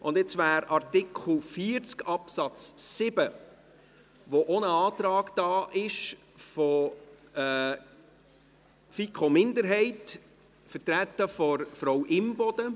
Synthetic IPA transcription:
ʔʊndɪt͡sʋæːɾɑɾtɪkʰl̩ˠfiːɾt͡skɑpsɑt͡ssɪbə | ʋoʔonəɑːtɾɑːɡd̥ɑːʔɪʃ | fɔ | fikʰomɪndəɾɦɛɪt | fəɾtɾætːəfɔɾfɾɔwʔɪmbɔd̥ə

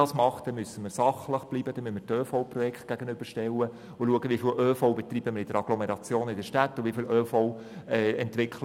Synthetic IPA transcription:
ɑːsmɑχtd̥ɛmysəməɾsɑχləχb̥libəd̥ɛmymətøːfɔʊprɔjɛkχt̚ɡ̥æɡənʏb̥əɾʃtɛlwə | ʊluəɡəʋifiːlʔøːfowbɛt̪riːbəməɾɪd̥əɾɑɡ̥lɔmeɾɑt͡sjoːnɪdəʃtæt̪ːʊʋifiːlʔøːfɔʊ | ɛɛntʋɪkχl

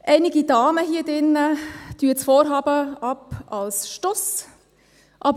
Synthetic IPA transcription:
ʔɛɪnɪɡidɑːməɦiːd̥ɪnːətyət͡sfɔːɾɦɑːbəɑpɑlsʃtɔs | ʔɑb

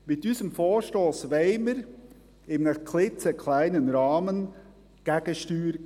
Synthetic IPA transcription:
mɪt̚dyːzəmfoːɹʃtoːsveɪməɾ | ɪməkʰlɪt͡səkʰlæɪnənɾɑːmən | ɡ̥ɛɡ̥əʃtyːɾ

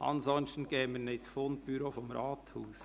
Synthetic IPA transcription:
ʔɑ̰nzɔnçtn̩ɡ̥ɛːmənɪsfon̚b̥yɾoːfɔmɾɑːthuːs

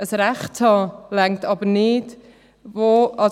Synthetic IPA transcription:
əsɾaχthɑlaŋtʰɑbəɾnɪd | voɑ

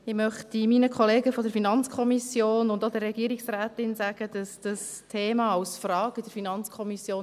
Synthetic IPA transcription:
ɪmœχtiminəkʰɔleːɡəfɔdəɾfinɑnt͡skʰɔmisjoːnʊndodərːɛɡ̥iəɾiksrɛːtɪnsæɡ̥əd̥ɑsd̥ɑs | tʰeːmɑːɑlsfrɑːɡid̥əɾfinɑnt͡skʰɔmisjoːn

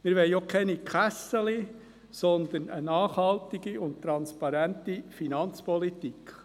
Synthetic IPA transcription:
mɪːɾʋɛɪjokʰɛnikχæsəli | sɔnd̪ənənɑːχhɑltɪɡ̥iʊntt̪ɾɑnspɑɾæntifinɑnt͡spɔlitikχ

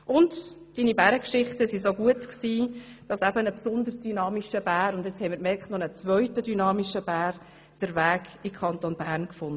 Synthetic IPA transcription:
ʔʊnd | d̥iːnibæɾəkʃɪχtəsisoɡuətksiː | d̥ɑsæbənəpsʊnd̪əɾsd̥ynɑːmiʃəb̥æːɾʊndɛt͡shɛɪmiɾmɛ̥nɔnət͡sʋœʏtədynɑːmiʃəb̥æːɾ | d̥əɾʋæːɡɪkʰɑntonb̥æːɾnkfʊndə

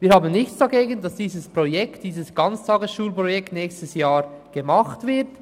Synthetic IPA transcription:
viːɾhaːbənnɪçt͡sd̥ɑɡeːɡəndɑsd̥iːzəspʁojɛktd̥iːzəsɡ̥ɑnt͡stʰɑːɡəsʃuːlpɾʁojɛktnɛːçstəsjaːɾɡ̥əmɑχtvɪɾt

